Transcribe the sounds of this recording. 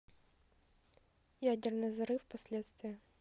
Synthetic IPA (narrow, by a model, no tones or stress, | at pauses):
jædʲɪrnɨjzɐɾɨfpɐsʲlʲe̞t̪st̪vʲɪjə